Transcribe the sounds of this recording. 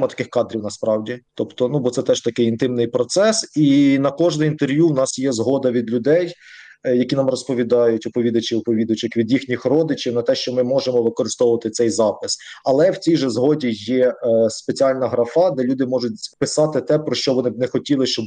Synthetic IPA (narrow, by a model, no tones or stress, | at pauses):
mɐt̪ɐ̥kɪxkɑd̪ɾʲiwnɐspɾɑwdʲit̪ɔpt̪ɔnubɔt̪sɛt̪ɛʃt̪ɐkɪjint̪ɪmnɪjpɾɔt̪sɛsinɐkɔʒnɛint̪erʋjuwnɑsjɛzɦɔd̪ɐʋʲid̪lʲʊd̪ɛj | jɐkʲinɑmrɔspɔʋʲid̪ɑjʊtʲʊpɔʋʲid̪ɐt͡ʃɪʊpɔʋʲid̪ɐt͡ʃɪkʋʲid̪jixnʲixrɔd̪ɪt͡ʃɪwnɐt̪ɛʃt͡ʃɔmɪmɔʒemɔʋɪkɔɾɪst̪ɔwʊʋɐt̪ɪt̪sɛjzɑpɪsɐlˠɛwt͡sʲijʒɛzɦɔdʲijɛspet͡sʲiɑlʲnɐɦɾɐfɑd̪ɛlʲud̪ɪmɔʒʊt̚ʲpɪsɑt̪ɪt̪ɛpɾɔʃt͡ʃɔʋɔnɪnɛxɔtʲilˠɪʃt͡ʃɔb